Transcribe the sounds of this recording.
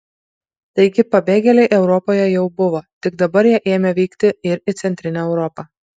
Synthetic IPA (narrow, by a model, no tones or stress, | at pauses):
t̪ɐɪɡʲɪpɐbʲeːɡʲɛlʲɛɪʔɛʊɾɔpoːjɛjɛʊbʊʋoːt̪ʲɪɡd̪ɐbɐɾjiɛʔeːmʲɛʋʲɛːkt̪ʲɪɪɾɪt̪sʲɛnʲt̪ʲɾʲɪnʲɛːɛʊɾɔpɐ